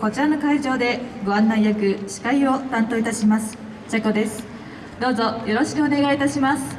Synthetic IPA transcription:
ko̞t͡ɕiɾano̞kaiʑo̞ːd̪e̞ɡoãnːaijakɯ̟ɕi̥kaio̞t̪ãnt̪o̞ːit̪aɕimasɨ̥ | t͡ɕakod̪e̞sɨ̥ | d̪o̞ːzo̞jo̞ɾo̞ɕi̥kɯ̟o̞ne̞ɡait̪aɕimasɨ̥

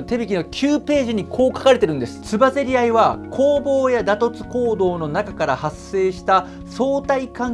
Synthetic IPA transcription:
t̪e̞bʲikʲinokʲʰɨːpe̞ːʑiɲ̟ikʰo̞ːkḁkaɾe̞t̪e̞ɾɯ̟̃nd̪e̞sɨ̥t͡sɨbaze̞ɾʲiaiβakʰo̞ːbo̞ːjad̪at̪o̞t͡sɨ̥ko̞ːd̪o̞ːno̞nakakaɾahasːe̞ːɕi̥t̪a | so̞ːt̪aikãŋ

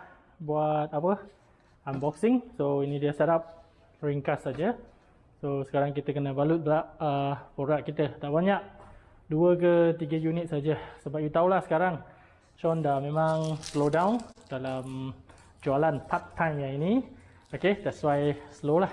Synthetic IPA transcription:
buat̪̚apə | ambɔksɪŋsoinĩdiəseɾap̚ | ɹiŋkassad͡ʒə | sosə̥kaɾaŋkit̪əkənəbalʊt̪̚bəlaʔəpoɾaʔ̚kit̪ət̪aʔbaɲaʔ̚ | duək̬ət̪iɡəjunit̪̚sad͡ʒəsəbap̚jut̪awlahsə̥kaɾaŋ | t͡ʃɔndamẽmãŋslodãwnd̥alam | d͡ʒualanpʰat̪ːajmjaini | oked̪ɛʔswajsəlolah

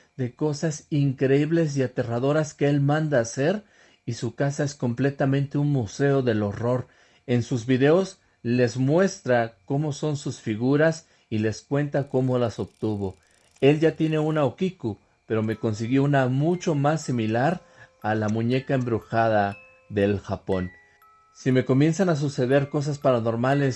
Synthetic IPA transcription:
ðe̞ko̞sasiŋkɾeiβle̞s̬iat̪e̞raðo̞ɾaskeelmãnd̪aːse̞ɾ | isukasae̞sko̞mple̞t̪amẽ̞nt̪e̞unmuse̞o̞ðe̞lo̞ro̞ɾ | e̞nsuzβiðe̞o̞s | le̞zmwe̞st̪ɾako̞mo̞so̞nsusfiɣuɾas | ile̞skwe̞nt̪ako̞mo̞laso̞βt̪uβo̞ | e̞lʝat̪je̞ne̞unaokiku | pe̞ɾo̞me̞ko̞ns̬iɣjo̞unamut͡ʃo̞masːimilaɾ | alamũɲe̞kaembɾuxaða | ðe̞lxapo̞n | sime̞ko̞mje̞nsanas̬use̞ðe̞ɾko̞s̬aspaɾano̞ɾmale̞s

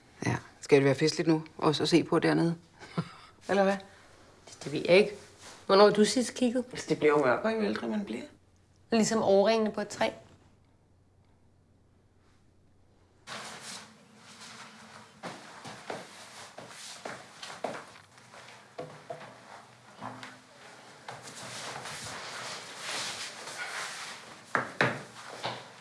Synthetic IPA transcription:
jæsɡ̥æd̥eʋæːɐfe̝sd̥lid̥nuʔɒ̽sɒse̝̰ːpʰɒ̽d̥æɐne̝ð̞̩ˠ | elɐʋæ̥ | d̥e̝ʋe̝̰jʔɑ̈e̝ɡ̥ʋɒnɒːd̥usi̥skʰiɡ̥ð̩ˠesd̥e̝b̥liɐ̰omɶɐ̰b̥ɐiʋeld̥ʁimenb̥liɐ̰ | lisɒ̽mʔɒʊɐʁeŋnəpʰɒ̽d̥̚t͡sʰʁɛ̰ː

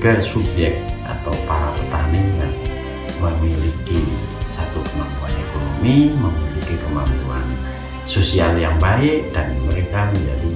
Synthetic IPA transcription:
kəsubjɛk̚t̪a̰t̪awpaɾapət̪anɪbat̪ | məmiliki | sat̪ʊtmakaekonomiməmilikikəmamuwa̰n | sosialjaŋbaɪʔd̥anməɾekaməd͡ʒadi

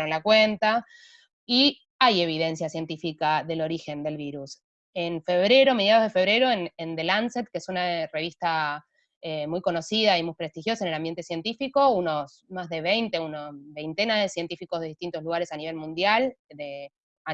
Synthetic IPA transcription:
ɾonlakwe̞nt̪a | i | aje̞βiðe̞nsjasje̞nt̪ifikaðe̞lo̞ɾixe̞nd̪e̞lβiɾus | e̞nfe̞βɾe̞ɾome̞ð̞jað̞o̞zðefe̞βɾe̞ɾo̞enend̪elanset̪̚keesunare̞β̞ist̪a | emujko̞no̞siðaimujpɾest̪ixjo̞saenelambje̞nt̪esje̞nt̪ifiko̞uno̞s | mazðe̞β̞ejnt̪e̞unosβejnt̪e̞naðesje̞nt̪ifikozðe̞ðiht̪int̪ozluɣaɾe̞saniβ̞e̞lmũnd̪jald̪e | a

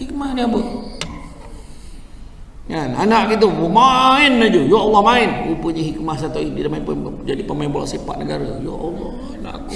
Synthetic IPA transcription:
hik̚mahniapə | ŋananaʔɡit̪̬umumaɪnːad͡ʒujoʔɔlːɔhmaɪnkupuɲəɦik̚mahs̬at̪aididamaipəd͡ʒadipəmaimbola̰ʔsepa̰ʔ̪̚nəɡaɾəjo̰ʔɔ̰lːɔhana̰ʔaku

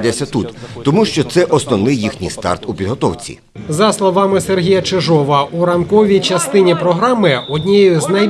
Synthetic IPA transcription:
dʲɐsʲɐt̪ut̪t̪ɔmuʃt͡ʃɔt̪sɛʔɔsnɔwnɪjːixnʲḭjst̪ɑ̰rt̪upʲid̪ɦɔt̪ɔwt͡sʲḭ | zɐslˠɔʋɑmɪserɦʲijɐt͡ʃeʒɔʋɐuɾɐmkɔʋʲijt͡ʃɐst̪ɪnʲipɾɔɦɾɑmɪɔdʲnʲijʊznɐj

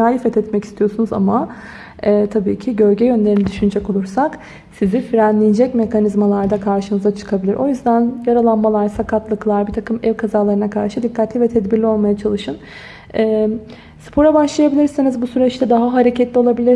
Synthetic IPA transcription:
aːjifɛt̪ʰɛt̪mɛci̥st̪ʰijo̞sunuza̰ma | ɛːt̪ʰabiːcʰiɟø̞ɾɟɛjø̞nlʲe̞ɾinɛd̪yʃynyd͡ʒɛko̞lˠuɾsak | sizifiɾænlʲijd͡ʒɛcme̞kʰanizmalˠaɾd̪akʰaɾʃɯmɯzat͡ʃʰɯ̥kʰabilʲiɾʔo̞jyzd̪ænjaɾalˠanmalˠaɾsakʰat̪lˠɯklˠaɾbiɾt̪ʰakʰɯmɛvkʰazaːlˠaɾɯnakʰaɾʃɯd̪ikʰːat̪lʲivɛt̪ʰɛd̪biɾlʲio̞lˠmajat͡ʃʰalˠɯʃɯn | ɛː | sɯ̥pʰo̞ɾabaʃlˠajabilʲiɾsinizbusyɾɛt͡ʃt̪ʰɛd̪aɦaɦaɾecʰɛt̪lʲio̞lˠabilʲiɾ

